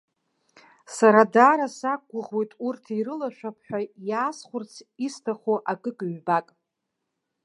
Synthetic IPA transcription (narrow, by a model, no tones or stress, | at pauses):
saɾadaːɾasak̚ɡʷʊʁwojtʼurtʰirɨlaʃᶣapʰħʷᶣajaːsχʷʊrt͡sʰistʰaχoʔakʼɨkʼɥbakʼ